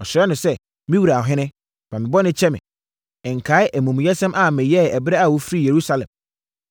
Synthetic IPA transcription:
ɔ˨ɕɾɛ˦nʊ̃˨sɛ˦ | mĩ˦wu˨ɾa˨ɦɪ̃˦nɪ̃˦ | bã˨mɪ̃˨bɔ˦nɪ̃˦t͡ɕʰɛ˦mɪ̰̃˨ | ɛ˨ŋ̩˨kʰa˨˦ɪ˦ʔæ˨mũ˨m̃˨jɛ˦sɛ̃˦mʔa˦˨mɛ̃˨jɛ˦˨ɛ˨bɪ˦ɾɛ˦a˨wo˦fɾi˦je˨ɾu˦sa˨lɛ̃˨m

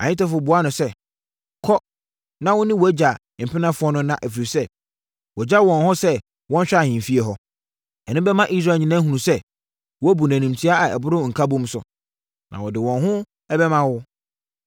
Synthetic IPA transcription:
ã̰˨ɲɪ̃˦tɛ˦fʊ˨bʊ˨a˦nʊ̃˨sɛ˦ | kʰɔ˦ | nã˦wʊ˦nɪ̃˦wɔ˨æ˦d͡ʑa˨m̩˨pʰɪ˦nã˦fʊ˦ɔ˦nʊ̃˦nã˨ʔæ˨fi˨ɾi˨sɛ˦ | wɔ˨d͡ʑa˦wɔ̃˨nɦɔ̃˦sɛ˦ | wɔ̃˦n˦ɕᶣa˦˨ɪ̃˨fi˦e˨ɦɔ˦ | ɛ˨nʊ̃˦bɛ˦mã˦ʔi˦s̬ɾa˨ɲĩ˦nã˦ɦũ˨nũ˨sɛ˦ | wɔ˦æ˦bu˨næ̃˨nĩ˨m˨tʰi˦a˦a˨ɛ̰˨bʊ˦ɾʊ̃˦˨ŋ̩˨kʰa˦bʊ̃˦m̩˦sʊ̰˨ | nã̰˨wɔ˨dɪ˨wɔ̃˨nɦʊ̃˦ | ɛ˦bɛ˦mã˦wʊ˦

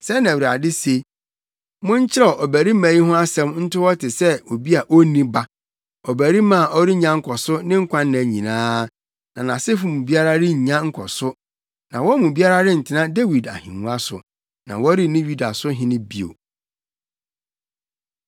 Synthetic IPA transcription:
sɛ˦nã˨wɾa˨dɪ˦se˨ | mʊ̃˦ɲ̩˦t͡ɕʰɪ˦ɾɛ˦˨ʔɔ˨bæ˨ɾi˦mæ̃˨ji˦ɦʊ̃˦a˦sɛ̃˦mn̩˦tʰʊ˦wɔ˦tɪ˨sɛ˦o˨bi˦a˨ʔo˦nĩ˦ba˦ | ɔ˨bæ˨ɾi˦mã˦˨ʔɔ˦ɾi˦ɲã˦ŋ̩˦kʰɔ˨sʊ˦nɪ̃˦ŋ̩˦kʷʰã˦nːã˨ɲĩ˨nãː˦ | nã˨nã˨sɪ˦fʊ̃˨˦mũ˨bi˦a˦ɾa˦ɾɪ˦ɲ̩˨ɲã˦ŋ̩˦kʰɔ˨sʊ˦ | nã̰˨wɔ˦mũ˨bi˦a˦ɾa˦ɾɪ˦n̩˨tʰɪ˨nã˦de˦wi˨da̰˨hĩ˨nũ˦a˦sʊ̰˨ | nã̰˨wɔ˦ɾi˦nĩ˦ɥu˦da˨sʊ˦ɦɪ̃˦nɪ̃˦bi˦o̰˨

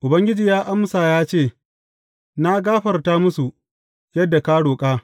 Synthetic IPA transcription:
ʔʊ˨bɐ˦ŋɡʲɪ˦d͡ʒiː˨jaː˦ʔa˦msaː˨jaː˦t͡ʃeː˦˨ | na˦ɡaː˦ɸɐ˨rtaː˦mʊ˦su˨ | jɐ˦dːa˨kaː˦ɽoː˨kʼaː˦

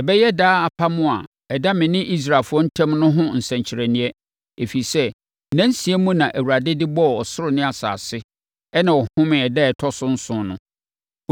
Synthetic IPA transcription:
ɛ˨bɛ˦jɛ˦daː˦a˨pʰa˦mʊ̃˦a̰˨ | ɛ˨da˦mɪ̃˨nɪ̃˦ʔi˦s̬ɾa˨lfʊ˦ɔ˦n̩˦tʰɛ̃˦mnʊ̃˦ɦʊ̃˦n̩˨sɛ̃˨ɲt͡ɕʰɪ˨ɾɛ˨nɪ̃˦ɛ˦ | e˨fi˨sɛ˦ | næ̃˦n˦si˨e˦mũ˦nã˨ʔæ˨wu˨ɾa˨dɪ˦dɪ˦bɔ˦˨ɔ˨sʊ˦ɾʊ˨nɪ̃˦a˨sa̰ː˨sɪ˦ | ɛ˦nã˨wɔ˨hʊ̃˦mɪ̃˨ɛ˨dɛ˦ɛ˨tʰɔ˦sʊ̃˦n̩˦sʊ̃˨nʊ̰̃˦

